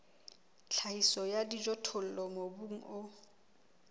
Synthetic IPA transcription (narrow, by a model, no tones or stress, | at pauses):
t͡ɬʰaisɔjadid͡ʒɔtʰʊl̩lɔmobuŋ̩ʔʊ